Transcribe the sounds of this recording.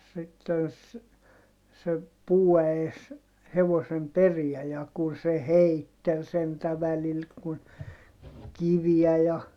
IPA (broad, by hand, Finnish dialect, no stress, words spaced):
sitːen s se puːæes heʋosem periæ jɑ kun se heitːel sentæ ʋælil kun kiʋiæ jɑ